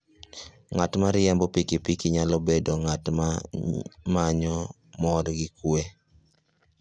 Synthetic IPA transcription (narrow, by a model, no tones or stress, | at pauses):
ŋatmaɾjɛmbɔpikipikiɲalɔbedoŋatma | maɲɔ | mɔɾɡɪkwe